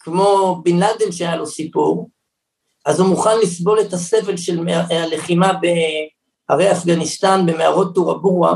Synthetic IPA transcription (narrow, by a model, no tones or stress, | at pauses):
kmo̞binlad̪inʃeajalo̞sipuʁ | azumuχanlisbo̞le̞tase̞ve̞lʃelmale̞χimabe | ha̰ʁejafɡanist̪anbe̞meaʁo̞t̪̚ːuʁabuʁa̰